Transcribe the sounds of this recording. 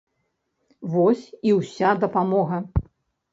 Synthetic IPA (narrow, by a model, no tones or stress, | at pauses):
vɔsʲiwsʲad̪ɐpamɔɣɐ